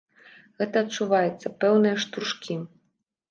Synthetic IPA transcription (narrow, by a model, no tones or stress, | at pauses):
ɣɛt̪ɐːt̚t͡ʂuvajɛt̪sːɐpɛwnɨjɐʂt̪ɾuʂkʲʰi